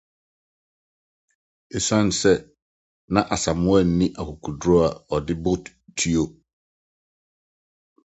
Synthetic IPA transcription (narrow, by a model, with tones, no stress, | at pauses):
e˨sã˦n˨sɛ˦ | nã˦ʔa˨sa˨mʊ̃˦ɛ˦˨n̩˦nĩ˦ʔa˨kʊ˨kʰu˨dɾɔ˦a˨ɔ˨dɪ˦bʊ˦t | tʰi˦o˦